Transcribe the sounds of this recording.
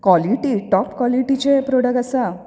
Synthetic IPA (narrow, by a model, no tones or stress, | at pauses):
kʋɔliʈiʈɔpkʋɔliʈit͡ɕepɾoɽəkasa